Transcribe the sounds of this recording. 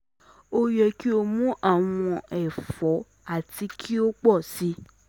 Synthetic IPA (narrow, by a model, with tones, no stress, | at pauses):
o˧jɛ˧ki˦o˧mũ˦ʔa˦˨w̃ɔ̃˧ɛ˨fɔ˨˦ | a˦˨ti˧kʰi˦o˦k͡pɔ˦˨si˨˦